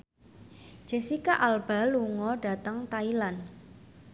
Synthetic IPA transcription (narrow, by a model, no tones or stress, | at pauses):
d͡ʒ̥esikaʔalb̥a̤luŋɔɖ̥a̤t̪əŋt̪ailan